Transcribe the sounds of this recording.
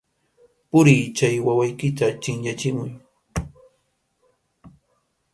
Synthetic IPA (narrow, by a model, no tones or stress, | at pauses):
pʊɾiːt͡ʃajwawajkɪt̪at͡ʃɪŋʎat͡ʃɪmʊj